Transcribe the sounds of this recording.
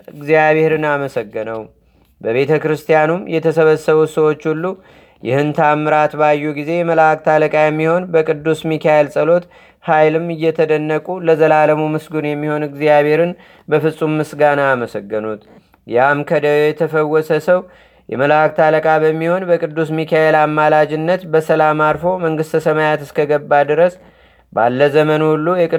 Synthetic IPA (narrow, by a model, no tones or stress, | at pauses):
ʔɨɡzijaβeeɾɨnaməsəɡːɨnəw | bəβe̞t̪ʰəkɾɨst̪ʰijanumjɛt̪ʰəsəβəsːəβusəwo̞t͡ʃːhulːu | jɪ̰hɨnt̪ʰamːɨɾat̪bajːuɡize̞jɛməlak̚t̪ʰaləkʼajɛmːiho̞nbəkʼɨd̪ːusmikʰajelsʼəlo̞t̪ | hajlɨmɨjːɛt̪ʰəd̪ənːəkʼuləzəlaləmumɨsɡunjɛmːiho̞nɨɡzijaβe̞ɾɨn | bəfɨsʼumːɨsɡanaːməsəɡːɨnut̪ | jamkʰəd̪ɛt̪ʰəfəwːɔsəsəw | jɛ̰məlak̚t̪ʰaləkʼabəmːiho̞nbəkʼɨd̪ːusmikʰajelamːalad͡ʒɪnːət̪bəsəlamalfo̞məŋɡɨst̪ʰəsəmajat̪ɨskʰəɡəbːad̪ɨɾəs | ba̰lːəzəmənulːujɛkʼɨ